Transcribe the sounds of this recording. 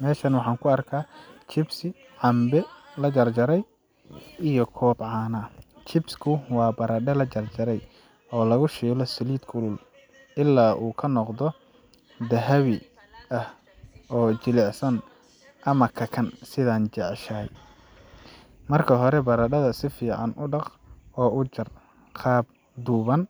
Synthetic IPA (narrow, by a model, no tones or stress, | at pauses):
mɛːʃɐnwɑħɑːŋkʰʊɐrkʰaːt͡ʃʰɪbsɪ | ʕɑmbɛlɐt͡ʃɐrt͡ʃɐɾɛj | ijɔkʰɔːbʕɑːnɐ | t͡ʃʰɪbskʰʊwɑːbɐɾɐɖɛlɐt͡ʃɐrt͡ʃɐɾɛj | ɔːlɐɣʊʃɛːlɔsɪliːd̪kʰʊlʊl | ʔɪlːaːʔuːkʰɐnɔqðɔ | d̪ɐɦɐβɪ | ʔɐh | ʔɔːt͡ʃɪlɛʕsɐn | ʔɐmɐkʰɐkʰɐnsɪðaːnt͡ʃɛʕʃɐj | mɐrkʰɐɦɔɾɛbɐɾɐɖɐðɐsɪfiːʕɑnʊɖɑq | ɔːʔʊt͡ʃɐr | qʰɑːb̚ | d̪uːβɐn